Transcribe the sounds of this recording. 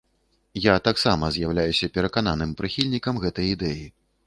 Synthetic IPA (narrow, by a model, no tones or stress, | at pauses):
jat̪aksamɐzʲjawlʲajusʲɐpʲɛɾɐkan̪anɨmpɾɨxʲilʲnʲikɐmɣɛt̪ɐjid̪ɛji